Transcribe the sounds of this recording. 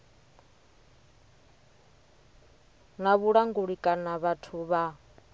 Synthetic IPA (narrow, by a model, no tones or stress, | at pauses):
naβuɺaŋɡuɺikʼanaβatʰuβa